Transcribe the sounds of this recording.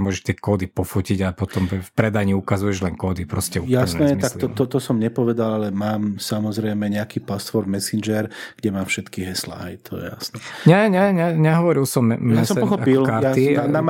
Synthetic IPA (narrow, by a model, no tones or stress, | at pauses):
mʊɔːʒɛʃt̪ɛkɔːd̪ipɔfuciɟapɔt̪ɔmfpɾɛd̪aɲiukazujɛʒlɛŋkɔːd̪ipɾɔscɛujasnɛmit̪akliɔt̪ɔt̪ɔsɔmɲɛpɔʋɛd̪alalɛmaːmsamɔzɾɛjmɛɲɛakiːpast̪fɔɾd̪mɛsind͡ʒɛɾɡ̥ɟɛmaːfʃɛt̪kiɦɛsla̰ːḭjt̪ʰɔjɛ̰ja̰snɛɲɛɲɛɲɛɲɛɦɔʋɔɾilsɔmjaɛsɔmɔxɔakpilkaɾatianam